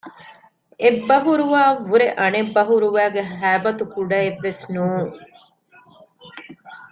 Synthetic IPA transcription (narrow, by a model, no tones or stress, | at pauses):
ʔebːɐɦuɾuʋaːʋuɾeʔɐnebːɐɦuɾuʋæːɡeɦæːbɐt̪ukuɖɐeʋːesnuːŋ